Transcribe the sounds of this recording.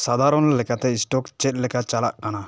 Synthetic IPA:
sad̪ʱaɾɔnlɛkat̪eisʈɔkt͡ʃet̚lɛkat͡ʃalaʔkana

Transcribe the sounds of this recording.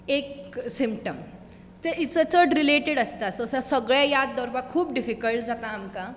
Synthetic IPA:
eksimpʈəm | teʔit͡sət͡səʈɾileʈeɽəst̪asːsəsəɡɭajad̪ːəɾʋakʰuːp̚ɖifikəlʈd͡zat̪aːmka

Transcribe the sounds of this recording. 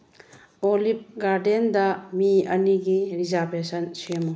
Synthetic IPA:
olip̚ɡaɾdendɐmiɐniɡiɾizaɾbesɐnsemu

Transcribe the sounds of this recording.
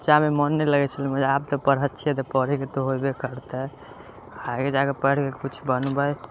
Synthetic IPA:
t͡ʃamemənːɛləɡɛt͡ʃʰəliməd͡ʒəab̚t̪ɔpəɾɦət̪̚ːt͡ʃʰiɛt̪ɔpəɽ̤iket̪ɔɦobekəɾt̪ɛ | ãked͡ʒakepəɽkekut͡ʃʰbənbəj

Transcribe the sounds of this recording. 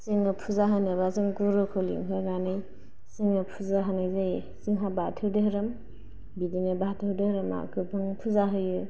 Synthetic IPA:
siŋɯpʰuzaɦɯnɯbazɯŋkuɾɯkʰolḭŋɦʰɯɡanɯj | siŋɯpʰuzaɦanɯjzaj | siŋɦabatʰɯwdɯhɯɾɯm | bidinɯbatʰɯdɯhɾɯma̰kʰɯbʰɯŋpʰuzaɦɯjɯ

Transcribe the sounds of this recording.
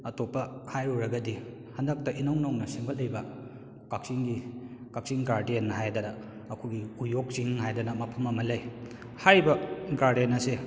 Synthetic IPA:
ɐtopːɐhajɾuɾɐɡɐdi | hɐndɐk̚tɐʔinɐwnoŋnɐsiŋbɐt̚lɐjbɐ | kak̚siŋɡikak̚siŋɡaɾdenɦajdɐnɐː | kʰuɡiujok̚siŋhajdɐnɐmɐpʰɐmɐmɐlɐj | haɾibɐɡaɾdenɐse

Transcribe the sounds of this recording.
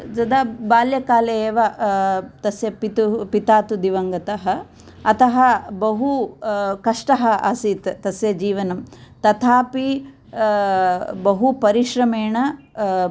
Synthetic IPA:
d͡ʒɐd̪abaːljɐkaːlɐeːʋɐ | t̪ɐsjɐpit̪upit̪aːt̪ud̪iʋɐŋɡɐt̪ɐɦɐ | ɐt̪ɐɦɐbɐɦukɐʂʈɐɦɐɐsiːt̪t̪ɐsjɐd͡ʒiːʋɐnɐmt̪ɐt̪ʰaːpi | bɐɦupɐɾiʃɾɐmeːɳɐ

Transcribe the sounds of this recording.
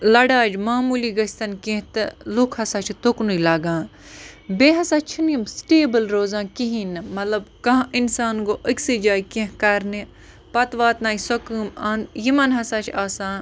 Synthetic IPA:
lɐɽaːd͡ʒmaːmuliɡɐsʲt̪ɐnkẽɦt̪ɨlukʰhɐsaːt͡ʃʰit̪oknuilaːɡãːnbeːɦɐsaːt͡ʃʰinimsʈeːbɨlɾoːzãːkiɦinmɐt̪lɐbkɐɦʔinsaːnɡoːʔəkʲsid͡ʒaːjkẽɦkɐɾni | pɐt̪ʋaːt̪naːisokɨːmanjimɐnɦɐsaːt͡ʃʰaːsãːn

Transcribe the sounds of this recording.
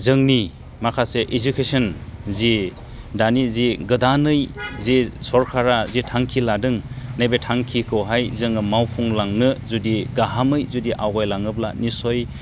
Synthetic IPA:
zɯŋni | makʰaseʔezukʰesɯnzi | daniziɡɯdanɯjzisɔɾkʰaɾazitʰaŋkʰiladɯŋnajbetʰaŋkʰikʰɯwɦajzɯŋɯmawpʰuŋlaŋnɯzudiɡaɦamɯjzudiʔawɡajlaŋɯbla̰nisɔj

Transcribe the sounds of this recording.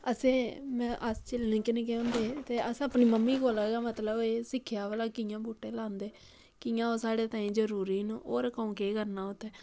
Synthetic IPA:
əsẽːmɛ̃ːʔəst͡ʃəlnẽːkɪnẽːkeõnd̪eːt̪eːʔəsəpniːməmːiːkoːlaːɡaːmət̪ləbeːsɪkʰːjaːʋəlaːkɪːjãːbuːʈːẽːlãːnd̪eː | kɪːãːoːsaːɽeːt̪aːĩːd͡ʒəɾuːɾiːnũːʔoːɾkəũːkeːkəɾnaːʊt̪ːɛː

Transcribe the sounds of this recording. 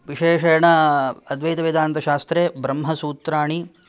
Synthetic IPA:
ʋiʃeːʃɐjɐɳɐɐd̪ʋɐjt̪ɐʋid̪ʱaːnt̪ɐʃaːst̪ɾeːbɾɐmɦɐsuːt̪ɾaːɳi

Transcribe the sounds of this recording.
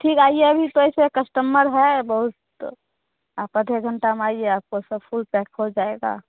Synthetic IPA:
ʈʰiːkaːieəbʱit̪oesekəsʈəmːəɾɦɛbəɦʊt̪ | apəd̪ʱeɡʱəɳʈameaːieaːp̚kosəbpʰulpɛkɦod͡ʒaːeɡa̰

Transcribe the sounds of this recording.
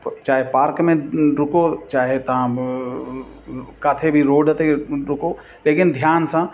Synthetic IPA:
t͡ʃaːɦepaːɾkmẽɾʊkot͡ʃaːɦet̪ɐɦã | kaːt̪ʰebʱiɾoːɖət̪eɾʊko | leːkɪnd̪ʱjaːnsã

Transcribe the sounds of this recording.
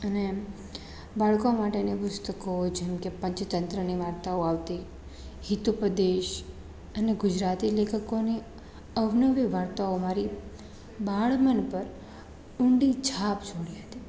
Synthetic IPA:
əne | baɭkomaʈenepʊst̪əkod͡ʒemkepə̃ɲt͡ʃt̪ənt̪ɾəniʋaɾt̪aoaʋt̪i | hit̪upɾəd̪eʃ | əneɡʊd͡ʒɾat̪ilekʰəkoni | əʋnəʋiʋaɾt̪aomaɾi | baɭmənpəɾ | ʊɳɖid͡ʒʰʱapd͡ʒʱoɽiɦət̪i

